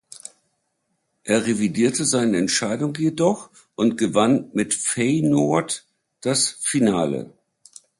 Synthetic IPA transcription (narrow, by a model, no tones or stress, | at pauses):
ʔeːɐʁevidiːɐtəzaɪnəɛntʃaɪdʊŋjedɔχ | ʔʊntɡ̥əvanmɪtfeɪnoɐt | d̥asfinaːlə̰